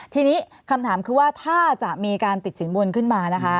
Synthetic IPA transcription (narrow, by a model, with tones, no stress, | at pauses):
t̪ʰiː˧niː˦˥ | kʰa˧mt̪ʰaː˩˦mkʰɯː˧waː˥˩t̪ʰaː˥˩t͡ɕa˨˩miː˧kaː˧nt̪i˨˩t̪̚si˩˦ŋbu˧nkʰɯ˥˩nmaː˧na˦˥kʰa˦˥